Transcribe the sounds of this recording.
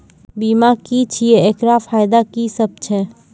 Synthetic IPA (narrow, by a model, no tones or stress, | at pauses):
biːmakit͡ʃʰieeːkɾafʰaːjd̪akisəb̚t͡ʃʰɛː